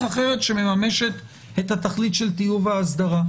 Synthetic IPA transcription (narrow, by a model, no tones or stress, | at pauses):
aχe̞ʁe̞tʃe̞me̞mame̞ʃe̞t | et̪hat̪aχlit̪ʃe̞lt̪ijuvaːsd̪aʁa